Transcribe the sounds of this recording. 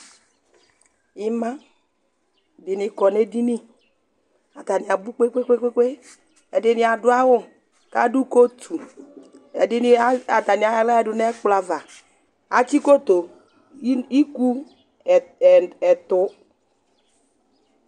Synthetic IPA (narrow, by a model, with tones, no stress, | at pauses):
ɪ˦mã˦ | dɪ˨nɪ˨kɔ˨ne˦di˦ni˦ | a˨t̪a˨nɪ˨a˨bu˦k͡pe˦k͡pe˦k͡pʷe˦kʷe˦k͡pe˦ | ɛ˨dɪ˦nɪ˨˦a˨dʊ˦a˦wʊ˦ | ka˦du˦ko˦tʰu˨ | ɛ˨dɪ˦n˦a˨ta˨ni˨a˨ja˨la˦ɛ˦˨dʊ˨nɛ˦k͡pla˨va˨ | a˨t͡ʃi˦ko˦t̪o˨˦ | i˦ku˦˨ | ɛ˨t̪ʊ˨˦